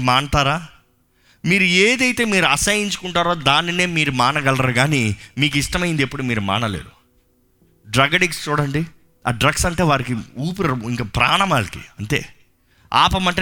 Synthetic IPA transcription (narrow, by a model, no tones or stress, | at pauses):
maːɳʈaːɾaː | miːɾueːd̪ɐjt̪e̞ːmiːɾuɐsɐjiɲt͡ʃu̥kuɳʈaːɾoːd̪aːnːine̞ːmiːɾumaːɳɐɡɐlɐɾaɾuɡaːnimiːk̬uiʂʈɐmɐjind̪e̞pːuɽumiːɾuma̰ːnɐlḛːd̪u | ɖɾɐɡɐʈikst͡ʃuːɽɐɳɖi | a̰ːɖɾɐɡsɐɳʈe̞ːʋaːɾikiuːp̬uɾɐiŋkaːpɾaːɳɐmaːlɐkḭɐɳʈe̞̰ː | a̰ːpɐmɐɳʈɐ